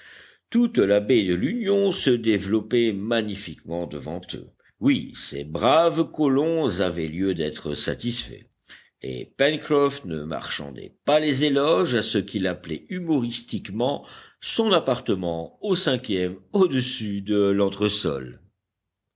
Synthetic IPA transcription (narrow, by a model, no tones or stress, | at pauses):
t̪ut̪labed̪əlynjɔ̃səd̪evlɔpɛmaɲifikmɑ̃d̪əvɑ̰̃t̪ʰø̰ | wisḛbʁavkɔlɔ̃zavɛljød̪ɛt̪χəsat̪isfɛ̰ | ḛpɛnkχɔfnəma̰ʁʃɑ̰̃d̪ɛ̰palezelɔʒasəkʲilaplɛ̰ymɔʁist̪ikmɑ̃sɔ̃napaʁt̪əmɑ̃osɛ̃kʲjɛmod̪əsyd̪əlɑ̃t̪χəsɔ̰l